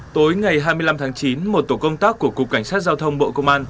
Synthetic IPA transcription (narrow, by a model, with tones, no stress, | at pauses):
t̪o˨˦jŋa˨˩jɦaː˧jmɨ˧jla˧mt̪ʰaː˨˦ŋt͡ɕi˨˦nmo˨˩t̚t̪o˧˩kə˧wŋ͡mt̪aː˦˥kkːu˧˩əkʊ˨˩k͡p̚ka˧˩jŋsaː˦˥t̚zaː˧wt̪ʰə˧wŋ͡mɓo̰˧˨kə˧wŋ͡mʔaː˧n